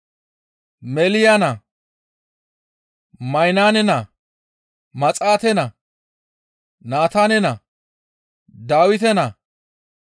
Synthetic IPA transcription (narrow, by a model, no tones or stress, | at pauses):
mɛlɪjanɐ | mɐjnaːnɛnɐ | mɐt͡sʼaːt̪ɛnɐ | naːt̪aːnɛnɐ | d̪aːwɪt̪ɛnɐ